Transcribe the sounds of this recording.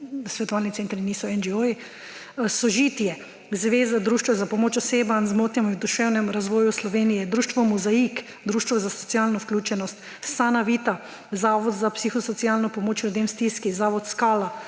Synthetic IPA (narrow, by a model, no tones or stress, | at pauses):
sʋɛt̪ɔʋaːlnit̪seːnt̪ɾinisɔɛnd͡ʒioji | sɔʒiːt̪jɛ | zʋeːzad̪ɾuːʃt̪ʋazapɔmoːt͡ʃɔseːbanzmoːt̪njɛmɔiwd̪uʃɛwnɛmɾazʋɔːjuslɔʋeːnijɛd̪ɾuːʃt̪ʋɔmuzaik | d̪ɾuːʃt̪ʋɔzasɔ̥t̪sjalnɔwklʲuːt͡ʃɛnɔst̪ | saːnaʋiːt̪a | zaːʋɔd̪zapsixɔsɔt̪sijalnɔpɔmoːt͡ʃlʲʊd̪emst̪iːskizaːʋɔt̪skaːla